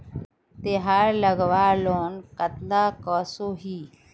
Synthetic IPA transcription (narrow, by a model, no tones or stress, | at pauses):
t̪eɦaːɾləɡʋaːɾloːnkət̪aːkɔːsoɦiː